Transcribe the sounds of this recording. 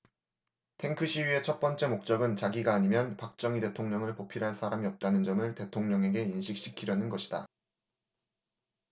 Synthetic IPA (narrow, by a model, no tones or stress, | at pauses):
tʰe̞ŋkʰɯɕʰiɥie̞t͡ɕʰʌt̚p͈ʌnt͡ɕ͈e̞mok̚t͡ɕ͈ʌɡɯnt͡ɕaɡiɡaːɲimjʌnpak̚t͡ɕ͈ʌŋite̞tʰoŋɲʌŋɯɭpopʰiɾɦaɭsʰaɾamiʌp̚t͈anɯnd͡ʑʌmɯɭte̞tʰoŋɲʌŋe̞ɡe̞inɕʰik̚ɕ͈i̥kʰiɾjʌnɯnɡʌɕʰid̥a̰